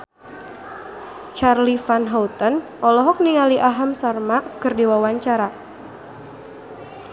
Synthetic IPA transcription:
t͡ʃarlifanɦawt̪ənʔɔlɔɦɔk̚niŋaliʔaɦamsarmakɨrdiwawaɲt͡ʃaɾa

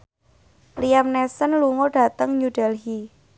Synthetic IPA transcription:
lijamnɛsənluŋoɖ̥ä̤t̪əŋɲuɖ̥ɛlɦi

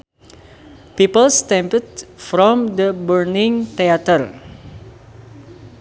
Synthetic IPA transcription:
pipəlstɛ̃mpətfɾɔ̃md̪əbəɹnɪ̃ŋt̪eat̪ər

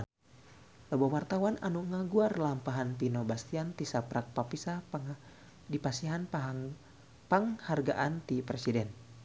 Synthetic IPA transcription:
lɔbowart̪awananuŋaɡuarlampaɦanp̪inobast̪iant̪isapɾak̚papisapŋ | dipasiɦanpaɦ | paŋharɡaʔant̪ipɾesidɛn

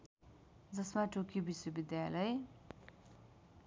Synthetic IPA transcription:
d͡zʌsmaʈokibiswʌbid̪jalʌe

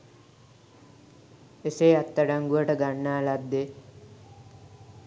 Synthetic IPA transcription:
eseat̪ːəɖaŋɡuəʈəɡanːaːlad̪ːe

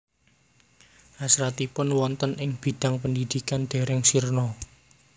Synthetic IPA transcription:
ʔasɾat̪ipʊnwɔnt̪ənʔɪŋb̥i̤d̪̥a̤ŋpənd̪id̪̥i̤kanɖ̪̥e̤ɾɛŋsirnɔ

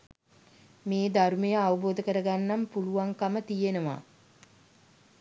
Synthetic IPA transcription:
meːd̪aɾumejəaʋɐboːd̪əkəɾəɡanːampuluʋaŋkamət̪ijenəʋa̰ː

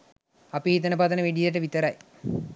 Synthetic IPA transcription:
ɐpiit̪ːɐnɐpaːt̪ɐnɐʋeɖit̪ɐʈːɐʋit̪ɐɾaj

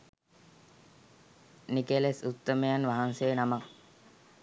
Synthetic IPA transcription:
nikelesut̪ːəmejanʋaɦansenamak̚

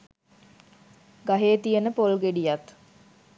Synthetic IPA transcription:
ɡaɦeːt̪ijənəpolɡeɖijat̪

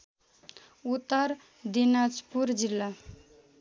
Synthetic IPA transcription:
ut̪ːəɾ | d̪inad͡ʒpuɾd͡ʒilːa

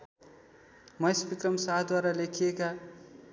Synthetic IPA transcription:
mʌjsbikrʌmsaɦd̪waɾalekʰijeka

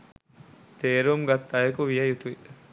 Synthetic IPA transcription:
t̪eːɾumɡɐt̪ːɐjɐkuʋijɐjut̪ui

